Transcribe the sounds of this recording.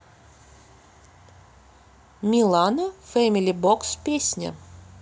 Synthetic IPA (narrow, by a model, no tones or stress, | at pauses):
mʲilˠanofɛmʲilʲibokspʲesʲnʲə̰